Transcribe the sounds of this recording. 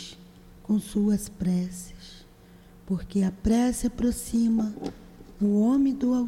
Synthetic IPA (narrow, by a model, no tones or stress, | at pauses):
kõw̃suɐspɾɛsɐ̥s | poɾkeɐpɾɛsiapɾosĩmɐ | ʊõmẽd̪ʊaw